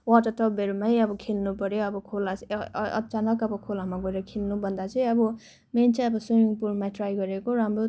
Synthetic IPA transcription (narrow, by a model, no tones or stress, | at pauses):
waʈʌʈʌpbeɾumajʌbʌkʰelnupʌɾjoʌbʌkʰolaʌ̰t͡sanʌkʌbʌkʰolamaɡʌeɾʌkʰelnubʱʌnd̪at͡sʌĩʌbʌ | ment͡sʌ̃ʌbʌsujiŋpulmaʈrajɡʌɾekoɾamro